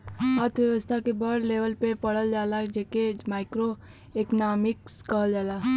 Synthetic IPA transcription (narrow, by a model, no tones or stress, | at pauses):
at̪ʰʋjəʋəst̪ʰakebəɽleːʋəlpepəɽəld͡ʒaːlad͡ʒekemaːɪkɾo | eknaːmɪkskəɦəld͡ʒaːla